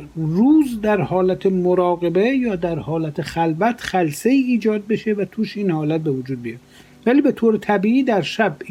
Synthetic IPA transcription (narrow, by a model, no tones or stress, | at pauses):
ruːzd̪æɾhɒːlæt̪ʰemoɾɒːɣe̞be̞jɒːd̪æɾhɒːlæt̪ʰeχælvæt̪ʰχælseiːiːd͡ʒɒːd̪̚beʃe̞væt̪ʰuːʃiːnhɒːlæt̪̚bevod͡ʒuːd̪̚bijɒd̪ | væliːbe̞t̪ʰoːɾet̪ʰæbiːʔiːd̪æɾʃæb